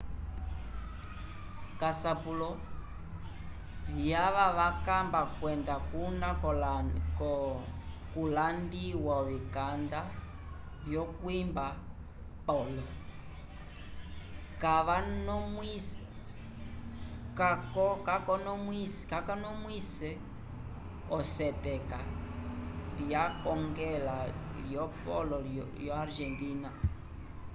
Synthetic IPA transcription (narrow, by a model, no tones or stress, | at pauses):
kasapulɔ | vjaʋaʋakambakwɛndakunakkɔ | kulandiwaɔβikanda | vjɔkwimba | pɔlɔ | kaβanɔmwis | kakɔkakɔnɔmwiskakanɔmwisɛ | ɔsɛtɛka | liakɔŋɡɛla | ljɔpɔ̰lɔ | jɔaɾʒɛntina